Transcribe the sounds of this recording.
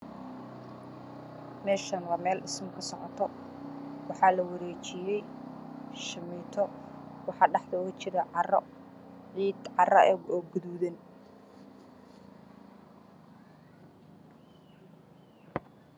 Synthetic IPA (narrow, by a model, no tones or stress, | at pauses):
mɛːʃɐnwɑːmɛːlɖɪsmkʰɐsɔʕɔt̪ʰɔ | wɑħɑːlɐwɐɾɛːt͡ʃɪjɛj | ʃɪmiːt̪ʰɔwɑħɑːɖɑħd̪ɐʊɣɐt͡ʃɪɾɐʕɑrɔ̰ʕiːd̪ʕɑrɐʔɛɡɔːɡʊðuːðɛn